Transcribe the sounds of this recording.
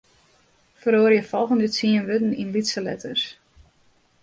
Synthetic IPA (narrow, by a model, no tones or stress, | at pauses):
fəɾoːrjəfɔlˠɣəndət͡siənʋøtn̩inlitsəlɛ̰təs